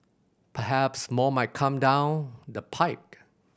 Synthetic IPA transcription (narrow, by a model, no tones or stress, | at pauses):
pʰəɦæpsmɔmaɪt̚kʰʌ̃mdãʊ̃ndəpʰaɪk̚